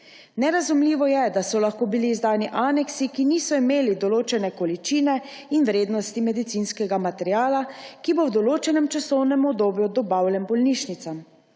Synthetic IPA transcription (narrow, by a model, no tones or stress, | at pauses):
nɛɾazumliːʋɔjɛd̪asɔlaxkoːbiliːzd̪aːniʔaːnɛksikiniːsɔimeːlid̪ɔloːt͡ʃɛnɛkɔlit͡ʃiːnɛ | inʋɾeːd̪nɔst̪imɛd̪it̪sinskɛɡamat̪ɛɾjaːlakibowd̪ɔloːt͡ʃɛnɛmt͡ʃasɔwnɛmɔbd̪oːbjud̪ɔbaːwlɛmbɔlniʃnit̪sam